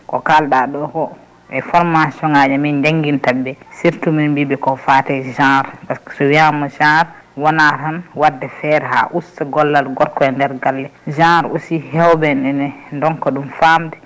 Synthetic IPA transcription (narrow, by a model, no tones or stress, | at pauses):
kɔ̰kalɗaɗɔkɔ | ɛfɔɾmasɔŋad͡ʒamind͡ʒaŋɡintabɛsiɾtuminbibɛkɔfatɛʒãɾpaskḁsɔwijamɔd͡ʒãɾ | wɔnaɾhanwadːɛfɛɾɛha̰ʔustaɡɔlːalɡɔɾkɔɛndɛɾɡalːɛd͡ʒãɾosihɛwbɛnɛnɛndɔnkɔɗumfamdɛ